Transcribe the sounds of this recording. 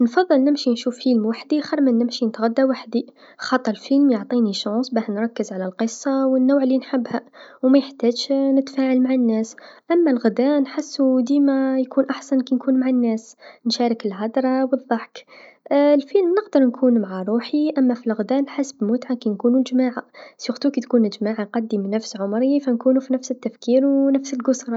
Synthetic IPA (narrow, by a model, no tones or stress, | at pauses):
nfɑðˤːɨlnɪmʃinʃuːfːilmwaħd̪ixɑɾˤmənːɪmʃinət̪ɣad̪ːawaħd̪i | xɑt̪ˤːɑlfilmjoʕt̪ˤiniʃɑnsˤbæhnɾˤɑkːəzʕalælqəsˤːɑwənːuwʕlːinħɪbːhæwmæjəħt̪æːd̪ʃnət̪faːʕalmaʕanːæːsʔæmːælɣʊd̪ænħasːud̪imæjkuːnʔaħsankinkʰuːnmaʕanːaːsnʃaːɾˤɪkɪlɦɑd̪ɾˤɑwɨðˤːɑħk | lfiːlmnɪqd̪ɑɾˤnkʰuːnmaʕaɾˤuːħiʔamːafilɣʊd̪aːnħasbmʊt̪ʕakinkuːnud͡ʒmaːʕasjʊxt̪uːkit̪kuːnɪd͡ʒmaːʕaqɑd̪ːimnafsʕʊmɾifankuːnufinafsɪt̪ːafkiːɾwnafsɪlɡʊsɾˤ